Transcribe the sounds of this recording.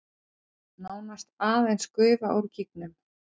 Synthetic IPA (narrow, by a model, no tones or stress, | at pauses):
naːwnast̪aːðejnskʏːvaʔowɾcik̚nʏm